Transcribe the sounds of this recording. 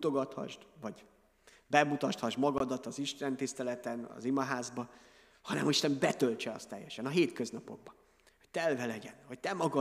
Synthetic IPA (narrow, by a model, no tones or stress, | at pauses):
ut̪o̞ɡɒt̪hɒ̰ʒd̪vɒɟ | bɛmut̪ɒʃt̪hɒʒmɒɡɒd̪ɒt̪ɒziʃt̪ɛnt̪ist̪ɛlɛt̪ɛnɒ̰zimɒɦaːzbɒ | hɒnɛ̰mɒiʃt̪ɛmbɛt̪ølt͡ʃɛɒ̰st̪ːɛjːɛʃɛnɒɦeːt̪køznɒpo̞ɡ̚bɒ | hoc̚t̪ɛlvɛlɛɟɛnɦɒc̚t̪ɛmɒɡɒ